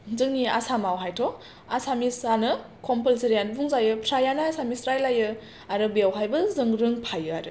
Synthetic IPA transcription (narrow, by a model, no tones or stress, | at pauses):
zɯŋniasamawɦajtʰɔ | asamisanɯ | kʰɔmpelseɾijanbuŋzajɯpʰɾajanaasamisɾajlajɯ | aɾɯbjawɦajbɯzɯŋɾɯŋpʰajɯaɾɯ